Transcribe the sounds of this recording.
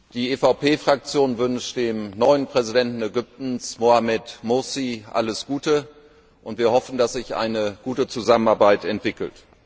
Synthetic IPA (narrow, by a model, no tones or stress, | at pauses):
d̥iːʔeːfaʊpeːfʁ̥ak̚t͡sjoːnvʏnʃtd̥eːmnɔʏənpʁ̥ɛzidɛntn̩ɛɡʏp̚tn̩smoamɛtmʊsiʔa̰ləsɡ̥uːtə | ʔʊntv̥iːɐhɔfn̩d̥asz̥ɪçʔa̰ɪnəɡ̥uːtət͡suzamənaɐbaɪtɛntv̥ɪkl̩t